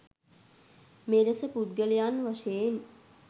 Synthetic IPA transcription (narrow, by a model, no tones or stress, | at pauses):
meɾəsəpud̪ɡəlijanʋaʃeːn